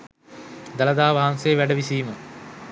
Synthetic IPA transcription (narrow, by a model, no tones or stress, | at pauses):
d̪aləd̪aːʋaɦansejːʋæɖəʋisiːmə